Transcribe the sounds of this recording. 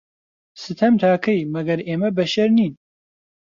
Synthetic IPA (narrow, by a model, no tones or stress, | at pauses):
sɨt̪ʰɐmt̪ʰaːkʰɐjmɐɡɐɾeːmɐbɐʃɐɾniːn